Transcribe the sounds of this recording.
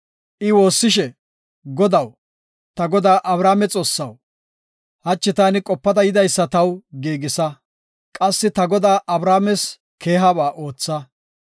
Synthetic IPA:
ʔɪwo̞ːsːɪʃ̬ɛ | ɡɔd̪ɐw | t̪ɐɡɔd̪aːʔɐbɾaːmɛt͡sʼo̞ːsːɐw | hɐt͡ʃːɪt̪aːnɪkʼɔpːɐd̪ɐjɪd̪ɐjsːɐt̪ɐwɡiːɡɪsɐ | kʼɐsːɪt̪ɐɡɔd̪aːʔɐbɾaːmɛs | kʰe̞ːɦabaːʔo̞ːt͡sːɐ

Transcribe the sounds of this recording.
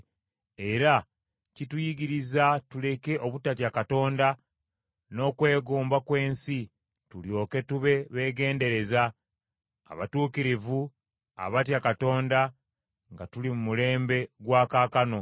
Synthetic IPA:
e̞ɾa | citujiɡiɾizatule̞ke̞ʔo̞βutatjakato̞ːnda | no̞ːkwe̞ːɡoːmbakwe̞ːnsi | tuljo̞ːke̞tuβe̞βe̞ːɡe̞ːnde̞ɾe̞za̰ː | βatuːkiɾivu | a̰βat̬jakato̞ːnda | ŋɡatulimumule̞ːmbe̞ɡwaːkaːkano̞

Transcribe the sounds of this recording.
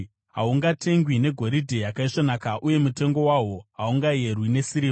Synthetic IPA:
ɦa̰uŋɡatʰe̞ŋɡwine̞ɡʱo̞ɾidʱejakaiʂonaːkaʔuje̞mute̞ŋɡo̞waɦo̞ɦauŋɡaje̞rwine̞siɾi

